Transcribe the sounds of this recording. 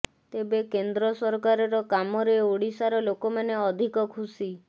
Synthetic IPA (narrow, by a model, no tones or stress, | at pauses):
t̪ebekend̪ɾɔsɔɾkaɾɔɾɔkamɔɾeoɽisaɾɔlokɔmaneɔd̪ʱikɔkʰusi